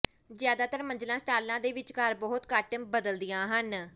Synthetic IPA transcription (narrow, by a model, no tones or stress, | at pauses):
zjaːd̪aːt̪əɾməɲd͡ʒlãːsʈaːlãːd̪eːʋɪt͡ʃkəɾbɔːʊt̪kaːʈəmbəd̪əld̪ɪjãːɦən